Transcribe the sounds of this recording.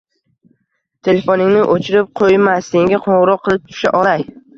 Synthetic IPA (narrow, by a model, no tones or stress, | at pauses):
t̪ʰe̞lefonɪŋnɪʔot͡ʃʰɪɾɪp̚qʰojmasːe̞ŋʲaqʰõɴʁɾɒqʰːɨlˠɪp̚t̪ʰʊ̥ʃaʔɒlaj